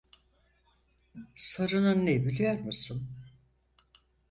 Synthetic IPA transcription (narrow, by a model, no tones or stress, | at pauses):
saɾɯnɯnːebilʲijaɾmisɯm